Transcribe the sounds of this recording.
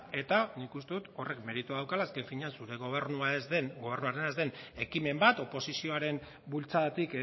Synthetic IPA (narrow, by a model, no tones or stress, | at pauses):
e̞t̪anikust̪e̞ðut̪o̞re̞kme̞ɾit̪uaðawkalaːske̞ɱfiɲeansuɾe̞ɣoβeɾnuazenɡo̞β̞e̞ɾnuaɾe̞naezd̪e̞ne̞kime̞mbat̪o̞po̞sisio̞aɾe̞m | bult͡saðat̪ik